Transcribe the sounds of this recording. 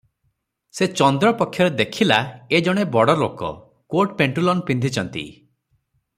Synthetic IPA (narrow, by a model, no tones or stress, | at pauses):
set͡ʃɔnd̪ɾɔpɔkʰːjɔɾed̪ekʰilaed͡ʒɔɽ̃ebɔɽɔlokɔ̰ | koɾʈpeɳʈulɔnpind̪ʱit͡ʃʰɔnt̪ḭ